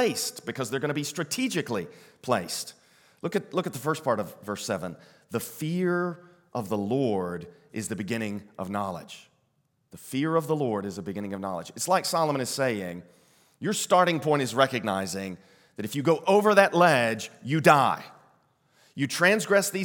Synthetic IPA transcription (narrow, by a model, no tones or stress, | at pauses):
eɪst̚b̥ɨkʰʌzðə˞ɡʌnəbistɹ̥ɨtʰid͡ʒɨklipʰl̥eɪst̚ | lʊkɨt̪̚lʊkɨt̪̚ðəfɜ˞spʰɑɹɾʌvːɜ˞sɛvə̃n | ðəfɪɹ | ʔʌvðəlɔɹɾ | ʔɨzðɨbɨɡɪ̃ñɪ̃ŋʔʌ̰vnɑlˠɪ̰̥d͡ʒ̥ | ðəfɪɹʌvðəlɔɹɾɨzðəbɨɡɪ̃ñɪ̃ŋʌvnɑ̰lˠə̰d͡ʒɨtslaɪksɑlˠəmə̃ñɨz̥seɪɪ̃ŋ | jə˞stɑɹɾɪ̃ŋpʰɔ̃ɪ̃ntɨzɹɛkɨɡ̚naɪzɪ̃ŋ | ðɨɾɨfjɨɡoʊʔoʊvə˞ðɨʔˡlɛd͡ʒjɨdaɪ | jɨtʰɹ̥æ̃nzɡɹɛsði